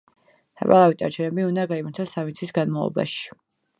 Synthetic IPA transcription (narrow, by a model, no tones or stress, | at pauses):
sʰa̰pʼalˠavit̪ʼaɾt͡ʃʰɛɾɛbiund̪aɡaimaɾt̪ʰasːamit̪sʰisɡanma̰vɔ̰ba̰ʃi̥